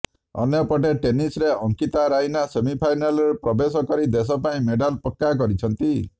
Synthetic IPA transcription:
ɔ̰njɔpɔʈeʈenisɾeɔŋkit̪aɾajnasemipʰajnalɔɾepɾɔbes̬ɔkɔɾid̪es̬ɔpaĩmeɖalpɔkːak̬ɔɾit͡ʃʰɔnt̪i

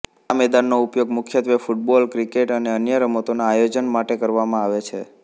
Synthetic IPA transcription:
amɛd̪anːoupjoɡmʊkʰjət̪ʋefuʈ̚bɔlkɾikeʈəneənjəɾəmot̪onaːjod͡ʒənmaʈekəɾʋamãaʋet͡ʃʰe

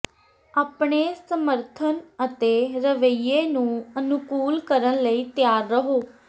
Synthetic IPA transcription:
aːpɳeːsəməɾt̪ʰənət̪eːɾəʋəiːeːnũːənʊkuːlkəɾənləiːt̪jaːɾːəɦoː

